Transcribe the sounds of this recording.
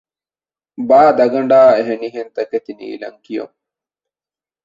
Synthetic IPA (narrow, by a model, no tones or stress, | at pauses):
baːd̪ɐɡɐɳɖaːeɦeniɦent̪ɐket̪inḭːlɐ̰ŋkijo̰ŋ